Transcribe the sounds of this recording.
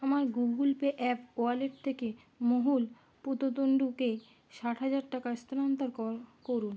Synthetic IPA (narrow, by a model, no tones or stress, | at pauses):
amaɾɡuɡɡulpeʔɛp̚ʰkoaleʈ̚t̪ʰeke | moɦul | put̪ot̪oɳɖuke | ʃaʈɦad͡ʑaɾʈakaɾst̪oɾant̪aɾkoɾun